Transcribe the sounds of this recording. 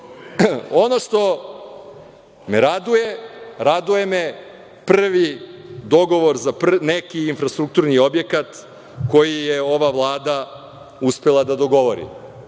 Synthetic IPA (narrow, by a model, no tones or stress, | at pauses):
onoʃt̪o̞ | meɾad̪ujeɾad̪uje̞me | pr̩ʋid̪o̞ɡo̞ʋo̞ɾzaprnekiinfɾast̪ɾuk̚t̪uɾnio̞bjekat̪ | ko̞jijeo̞ʋaʋlˠaːd̪a | uspelˠad̪ad̪o̞ɡo̞ʋo̞ɾḭ